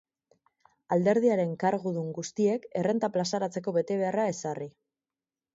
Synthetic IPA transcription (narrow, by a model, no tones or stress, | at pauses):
ald̪e̞ɾðiaɾe̞ŋkaɾɣuðuŋɡust̪ie̞ke̞re̞nt̪aplasaɾat͡se̞ko̞βe̞t̪e̞β̞e̞arae̞sari